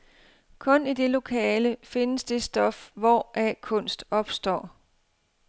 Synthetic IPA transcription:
kʰɔ̽nid̥e̝lo̝kʰɛːləfe̝nəsd̥e̝sd̥ɒ̽fʋɒʔækʰɔ̽n̰sd̥ɒ̽b̥sd̥ɒ̰ː

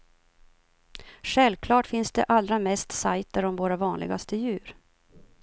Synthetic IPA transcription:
ɧɛlvkʰlɑːʈfɪnsd̪ɛʔalɾamɛst̪sajt̪əɾɔmvoːɾavɑːnlɪ̰ɡast̪əjʉ̟ːɾ

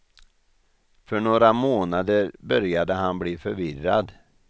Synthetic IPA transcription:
fœɳoːɾamoːnad̪əɾbœɾjad̪əɦanbliːfœɾvɪrad̪

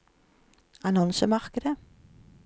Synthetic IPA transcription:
ɑnɔnsəmɑʁkəd̪ə

